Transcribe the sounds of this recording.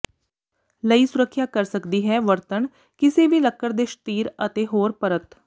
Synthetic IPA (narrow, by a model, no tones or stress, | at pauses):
ləiːsʊɾəkʰːjaːkəɾsəkd̪iːɦɛːʋəɾt̪ən | kɪseːʋiːləkːəɾd̪eːʃt̪iːɾət̪eːɦoːɾpəɾət̪